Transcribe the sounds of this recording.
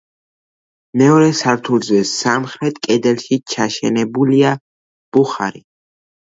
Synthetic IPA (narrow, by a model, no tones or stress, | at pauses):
mɛɔɾɛsaɾt̪ʰulzɛsamχɾɛt̪ʰkʼɛd̪ɛlʃit͡ʃʰaʃɛ̰nɛbulia | b̥uχa̰ɾi